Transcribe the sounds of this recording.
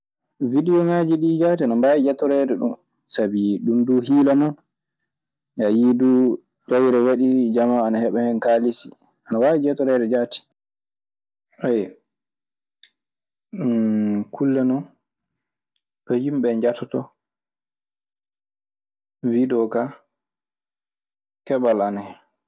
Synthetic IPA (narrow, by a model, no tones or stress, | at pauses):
vidiɔmaːd͡ʒiɗid͡ʒatianambaːjid͡ʒɛtɔɾɛɾɛɗṵm | sabiɗumduːhiːlanɔn | jajiduː | d͡ʒɔjɾɛwaɗid͡ʒamaanahɛɓɛhɛnkalisi | ʔanawawid͡ʒɛtɔɾɛɾɛd͡ʒaːti̥ | ʔaj | kʰulːɛnɔn | tɔjimɓɛɲd͡ʒatʰɔtɔ | vidɔka | kɛɓalanahɛ